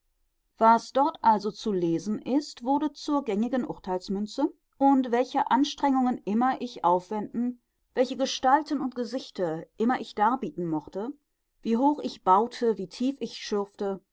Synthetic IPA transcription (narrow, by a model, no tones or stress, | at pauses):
v̥asd̥ɔɐtʔalzot͡suleːzn̩ʔɪstv̥ʊʁdət͡suːɐɡɛŋɪɡənʔʊɐtʰaɪlsmʏnt͡sə | ʔʊntv̥ɛlçəʔanʃtʁ̥ɛŋʊŋənʔɪmɐʔɪçʔaʊfv̥ɛndn̩ | vɛlçəɡəʃtaltn̩ʊnt̚ɡ̥əzɪçtʰɐʔɪmɐʔɪçd̥aːɐbiːtn̩mɔχtə | viːɦoːχɪçb̥aʊtʰəviːtʰiːfɪçʃʏɐftə